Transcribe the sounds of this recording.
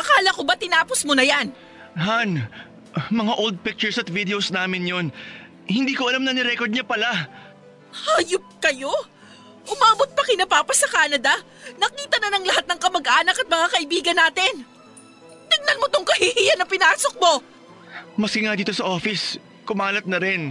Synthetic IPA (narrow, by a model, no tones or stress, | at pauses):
ʔɐkaːlɐkobat̪ɪnaːposmonɐjan | han | mɐŋaʔold̪̚pik̚t͡ʃʊɹsɐt̪vid̪ɛosnaːmɪnjon | hɪnd̪iːkoʔɐlamnɐnɪɾɛkoɹd̪ɲɐpɐla | haːjʊp̚kɐjo̞ | ʔʊmaːbot̪̚pɐkɪnɐpaːpɐsɐkaːnɐd̪ɐ | nɐkiːt̪ɐnɐnɐŋlɐɦat̪̚nɐŋkɐmɐɡʔaːnɐkɐt̪̚mɐŋakɐʔɪbiːɡɐnːaːt̪ɪn | nɐɡ̚nɐnmot̪oŋkɐhihijɐnɐpɪnaːso̞k̚mo̞ | mɐskɪŋad̪iːt̪o̞sɐʔo̞ːfɪs | kʊmaːlɐt̪̚nɐɾɪn